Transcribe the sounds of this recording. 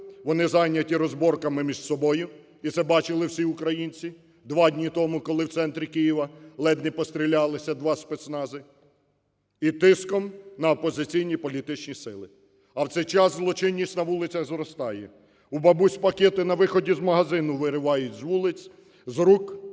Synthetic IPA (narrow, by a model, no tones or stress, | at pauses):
ʋɔnɪzɑjnʲɐtʲiɾɔzbɔrkɐmɪmʲiʒ̥sɔbɔjʊ | it̪sɛbɑt͡ʃɪlˠɪwsʲiʊkɾɐjinʲt͡sʲi | d̪ʋɑdʲnʲit̪ɔmʊkɔlˠɪwt̪sɛnt̪ɾʲikɪjiʋɐlˠɛd̪nʲipɔst̪ɾʲilʲɑlˠɪsʲɐd̪ʋɑspɛt̪snɑzɪ | it̪ɪskɔmnɐɔpɔzɪt͡sʲijnʲipɔlʲit̪ɪt͡ʃnʲisɪlˠɪ | ɐwt̪sɛjt͡ʃɑzzlˠɔt͡ʃɪnʲːisʲtʲnɐʋulˠɪt͡sʲɐɣzɾɔst̪ɑjɛ | ubɐbusʲpɐkʲɛt̪ɪnɐʋɪxɔdʲizmɐɦɐzɪnʊʋɪɾɪʋɑjʊtʲzʋulˠɪt͡sʲ | zɾuk